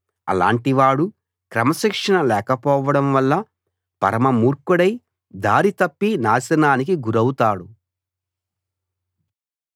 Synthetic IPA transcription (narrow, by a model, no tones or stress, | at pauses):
ɐ̰la̰ːɳʈiʋaːɽu | kɾɐmɐʃikʂɐnɐlɛːkɐpɔːʋɐɽɐmʋɐlːɐ | pɐ̰ɾɐmɐmuːɾkuɽɐj | d̪aːɾit̪ɐpːinaːsɐnaːnikiɡuɾɐwut̪aːɽu